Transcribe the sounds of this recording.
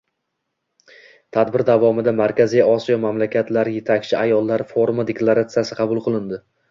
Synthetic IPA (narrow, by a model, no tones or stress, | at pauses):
t̪ʰad̪bɪɾd̪avɒmɪd̪amaɾkʲazijɒsijɒmamlakʲʰat̪laɾɪje̞t̪ʰakʲt͡ʃʰɪajɒlˠːaɾɪfoɾumad̪e̞klˠaɾat̪sɨjasɪqʰɑbʊlˠqʰɨlˠɪnd̪ɪ